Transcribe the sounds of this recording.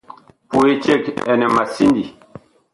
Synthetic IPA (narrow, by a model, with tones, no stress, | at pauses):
pu˨e˦t͡ʃɛ˦kɛ̰˨nɛ˨ma˨si˦ndi˨